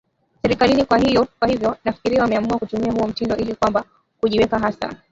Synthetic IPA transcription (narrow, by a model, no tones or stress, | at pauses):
sɛɾikalinikwaɦijɔkwahivjɔnafi̥kiɾiawamɛamuakutumiahuɔm̩tindɔʔilikwamba | kuʄiwɛkaɦasa̰